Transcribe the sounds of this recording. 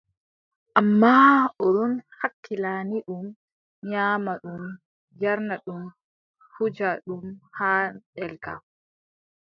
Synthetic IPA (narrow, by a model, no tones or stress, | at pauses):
ʔamːaːɔɗɔnhakːilaːniɗum | ɲaːmaɗum | jaɾnaɗum | hud͡ʒaɗumhaːɗɛlɡa̰